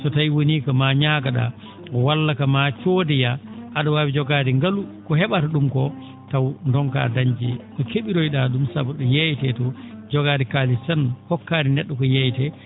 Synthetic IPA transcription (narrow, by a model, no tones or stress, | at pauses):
tɔtajwoniːkɔmaɲaɡaɗa̰ | ɔwalːakamat͡ʃodijaʔaɗɔwawid͡ʒɔɡadiŋɡalukɔhɛɓataɗumkɔ | tawndɔŋka̰daɲd͡ʒikɔkeɓiɾojɗaɗumsa̰bɔɗɔjejtɛtɔd͡ʒɔɡaːdikalisanhɔkːaːɾinɛɗːɔkɔjejtɛ